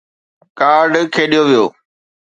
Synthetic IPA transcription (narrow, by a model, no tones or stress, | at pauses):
kaːɾɖkʰeːɗijoʋijoː